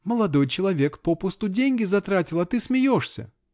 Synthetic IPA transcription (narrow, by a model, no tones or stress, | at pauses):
məlˠɐd̪o̞jt͡ɕɪlˠɐvʲe̞kpopʊst̪ʊdʲenʲɡʲɪzɐt̪ɾatʲɪlˠɐt̪ɨsmʲɪjoʂsʲə̰